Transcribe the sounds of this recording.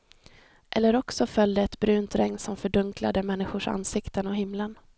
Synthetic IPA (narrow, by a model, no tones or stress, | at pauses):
ʔɛlːəɾɔksɔfœld̪əɛt̪bɾʉ̟ːnt̪ɾɛŋnsɔmfœɖɵŋkla̰d̪əmɛnːɪɧʊʂa̰nːsɪkt̪ənɔɦɪmːlən